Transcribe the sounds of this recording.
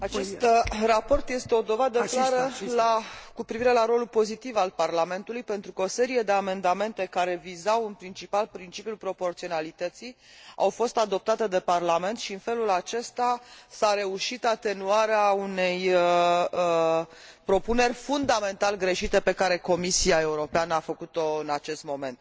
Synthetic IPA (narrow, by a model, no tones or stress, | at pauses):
at͡ʃe̞st̪rapo̞rt̪je̞st̪e̞o̞d̪o̞vad̪əaɾəlakupɾiviɾe̞laɾo̞lulpo̞zit̪ivalparlame̞nt̪ulujpe̞nt̪ɾukəo̞se̞ɾije̞d̪e̞ame̞nd̪ame̞nt̪e̞kaɾe̞vizawɨnpɾint͡ʃipalpɾint͡ʃipjulpɾo̞po̞rt̪sio̞nalit̪ət̪si | a̰wfo̞st̪ad̪o̞p̚t̪at̪e̞d̪e̞parlame̞nt̪ʃiɨnfe̞lulat͡ʃe̞st̪asaɾe̞uʃit̪at̪e̞nuaɾeaune̞j | pɾo̞pune̞rʲfund̪ame̞nt̪alɡɾe̞ʃit̪e̞pe̞kaɾe̞ko̞misiae̞uɾo̞peanəafəkut̪o̞ɨnat͡ʃe̞st̪mo̞mẽ̞̰nt̪̚